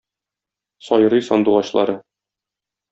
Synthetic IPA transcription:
sɒjɤ̆ɾɤjsɒ̰nd̪uʁɑɕlˠɑ̰ɾɤ

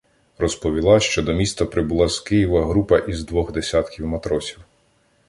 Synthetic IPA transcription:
rɔspɔʋʲilˠɑʃt͡ʃɔd̪ɔmʲist̪ɐpɾɪbulˠɑzkɪjiʋɐɦɾupɐʔizd̪ʋɔɣd̪esʲat̪kʲiwmɐt̪ɾɔsʲiw

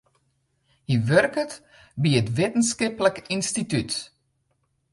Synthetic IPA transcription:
hiʋørkət | biətʋetənskɪpləkinstityt

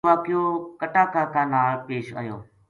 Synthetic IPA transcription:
ʋaːkɪjõːkəʈaːkaːkãːnaːɭpeːʃə̰ːjo̰ː

